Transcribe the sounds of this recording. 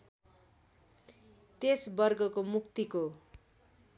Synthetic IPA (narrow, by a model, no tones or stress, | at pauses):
t̪esbʌrɡʌkomukt̪iko